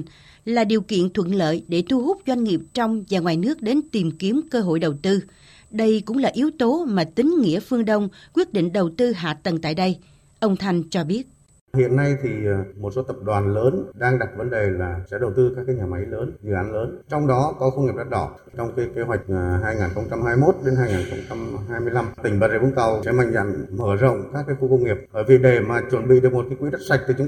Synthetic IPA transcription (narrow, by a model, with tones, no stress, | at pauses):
laː˨˩ɗi˨˩əwkḭ˧˨ənt̪ʰwə˧˨nlə̰ː˧˨jɗe˧˩t̪ʰu˧ɦʊ˦˥k͡p̚zwa˧ŋ̟ŋi˨˩əp̚t͡ɕɔ˧wŋ͡mzaː˨˩ŋwaː˨˩jnɨ˦˥ək̚ɗe˨˦nt̪i˨˩mki˨˦əmkəː˧ɦo̰˧˨jɗə˨˩wt̪ɨ˧ | ɗə˧jkʊ̰˧˥ŋ͡mlaː˨˩ʔi˨˦əwt̪o˨˦maː˨˩t̪ï˨˦ŋ̟ŋḭ˧˥əfɨ˧əŋɗə˧wŋ͡mkwi˦˥ət̚ɗḭ̈˧˨ŋ̟ɗə˨˩wt̪ɨ˧ɦa̰ː˧˨t̪ə˨˩nt̪a̰ː˧˨jɗə˧j | ʔə˧wŋ͡mt̪ʰa˧jŋ̟t͡ɕɔ˧ɓi˦˥ət̚ | hḭ˧˨ənːa˧jt̪ʰi˨˩mo˨˩t̚so˨˦t̪ə˨˩p̚ɗwaː˨˩nləː˨˦nɗaː˧ŋɗa˨˩t̚və˨˦nɗe˨˩laː˨˩sɛ̰˧˥ɗə˨˩wt̪ɨ˧kaː˦˥kːaː˨˦jɲaː˨˩ma˨˦jləː˨˦nzɨ̰˧˨ʔaː˨˦nləː˨˦nt͡ɕɔ˧wŋ͡mɗɔ˨˦kɔ˨˦xə˧wŋ͡mŋi˨˩p̚ɗa˦˥t̚ɗɔ̰˧˩ | t͡ɕɔ˧wŋ͡mkaː˨˦jke˧wa˨˩jk̟̚ɦaː˧jŋaː˨˩nxə˧wŋ͡mt͡ɕa˧mhɦaː˧jmo˦˥t̚ɗe˨˦nɦaː˧jŋaː˨˩nxə˧wŋ͡mt͡ɕa˧mɦaː˧jmɨ˧əjla˧mt̪ï˧˩ŋ̟ɓaə˨˩ze˧˩vu˧t̪a˨˩wsɛ̰˧˥ma̰˧˨jŋ̟za̰˧˨nməː˧˩zə̰˧˨wŋ͡mkaː˦˥kːaː˨˦jxu˧kə˧wŋ͡mŋi˨˩əp̚ɓəː˧˩vi˨˩ɗe˨˩maː˨˩t͡ɕwə˨˩nɓḭ˧˨ɗɨ˨˩ək̚mo˨˩t̚kaː˨˦jkwi˨˦ɗə˦˥t̚sa˨˩jk̚t̪ɨ˨˩t͡ɕʊ˨˦